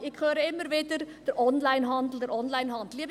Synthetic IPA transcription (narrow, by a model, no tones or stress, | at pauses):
ɪkʰχøːɾəɪmːəɾvɪdərd̥əɾʔɔnlaɪnɦɑndl̩dəɾɔnlaɪnɦɑndl̩ˠiːb